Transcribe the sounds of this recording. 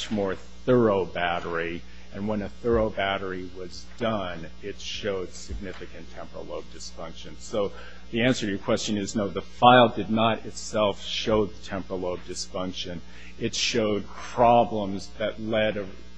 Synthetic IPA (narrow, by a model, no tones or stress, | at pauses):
t͡ʃmɔɹ | θɜ˞oʊbæɾə˞i | ɨ̃nwə̃nɨθɜ˞oʊbæɾə˞iwʌz | dʌ̃n | ɪtʃoʊd̥sɨɡ̚nɪfɨkɨ̃ntʰɛ̃mpɹə̰loʊb̚dɨsfʌ̃ŋkʃɨ̃nsoʊ | ðiæ̃nsə˞ɨjə˞kʰw̥ɛst͡ʃɨ̃nɨznoʊðəfaɪlˠdɨdⁿnəɾɪtsɛlˠfʃoʊðətʰɛ̃mpɹəloʊb̚dɨsfʌ̃ŋkʃɨ̃n | ɨtʃoʊd̚pʰɹ̥ɑblə̃mzðɨtˡlɛɾɨ